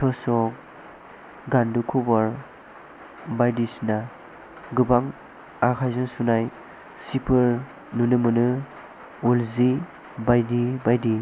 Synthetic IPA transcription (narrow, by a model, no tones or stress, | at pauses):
tʰɔsɔk̚ | ɡandukʰubaɾ | bajdisna | ɡɯbaŋ | akʰajzɯŋsunaj | sipʰɯɾ | nunɯmɯnɯ | ulzi | bajdibajdi